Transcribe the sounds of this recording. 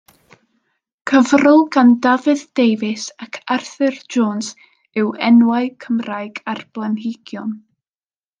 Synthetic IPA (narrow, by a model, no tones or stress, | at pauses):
kʰəvrɔlˠɡandavɨðd̥ejvɪsakʰarθɨrd͡ʒoːns | ɪwɛnwaɨkʰəmrajɡarb̥lˠanɦɪɡ̥jɔn